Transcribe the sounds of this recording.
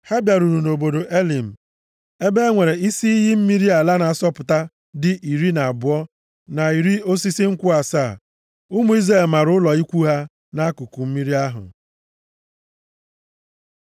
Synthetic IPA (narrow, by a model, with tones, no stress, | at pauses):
ha˦bja˨ɾu˨ɾu˨no˨bo˨do˨ʔe˦li˨m̩˨ | e˦be˦ŋʷe˨ɾe˨i˦si˦i˦ɦɪ˦m̩˦mi˦ɾi˦a˨la˦na˨a˨sɔ˦pʊ˨ta˦ | dɪ˦ʔi˨ɾi˦na˨a˨bʊ˨˦ɔ˦ | na˨i˨ɾi˦o˦si˦si˦ŋ̩˦kʷʊ˦a˨saː˦˨ | u˦mu˨˦i˦zɾa˦˨lma˨ɾʊ˦ʊ˦lɔ˨i˦kʷu˦ɦa˦ | na˦a˦kʊ˨ku˨m̩˦mi˦ɾi˦a˦ɦʊ̰˨